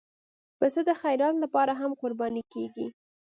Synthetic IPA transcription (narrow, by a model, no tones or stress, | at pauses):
pəsəd̪əxajɾɑt̪lapɑɾaɦamqʊɾbɑnikeɡi